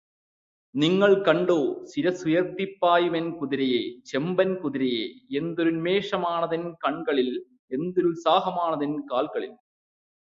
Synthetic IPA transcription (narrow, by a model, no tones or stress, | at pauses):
nɪŋɡɐɭkɐɳɖoːsɪɾɐsʊjɐɾt̪ːɪpːaːjɯʋɛnkʊðɪɾɐjeːt͡ʃɛmbɐnkʊðɪɾɐjeːɛnd̪ɯɾɯnmeːʂɐmaːnɐðɐnkɐɳɡɐɭɪl | ɛnd̪ɯɾɯlsaːɣɐmaːnɐðɐnkaːlɣɐɭɪl